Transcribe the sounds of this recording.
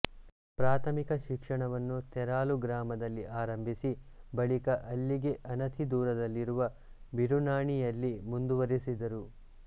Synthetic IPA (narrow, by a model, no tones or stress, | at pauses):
pɾaːt̪ʰɐmikɐʃikʂɐɳɐʋɐnːut̪ɛɾaːluɡɾaːmɐd̪ɐlːiʔaːɾɐmbʱisi | bɐɭikɐʔɐlːiɡe̞ʔɐnɐt̪ʰid̪uːɾɐd̪ɐlːiɾuʋɐ | biɾunaːɳijɐlːimund̪uʋɐɾisid̪ɐɾu